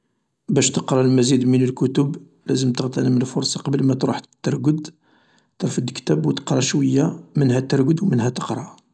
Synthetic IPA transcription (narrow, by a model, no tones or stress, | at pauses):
bæʃt̪əqɾˤɑlmæzid̪mənəlkʊt̪ʊb | læzəmt̪əɣt̪ænəmənəfʊɾˤsˤɑqɑbəlmæt̪ɾuħt̪ːɑɾˤɡəd̪ | t̪ɾˤfəd̪kt̪æbwt̪ə̥qɾˤɑʃwəjːamənhæt̪əɾɡəd̪wmənhæt̪ə̥qɾˤɑ